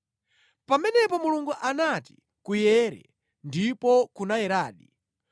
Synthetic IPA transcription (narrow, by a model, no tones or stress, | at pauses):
pamɛnɛpɔmuluŋɡuʔanati̥ | kujɛːɾɛ̰ | ndipɔkunajɛɾaːɗi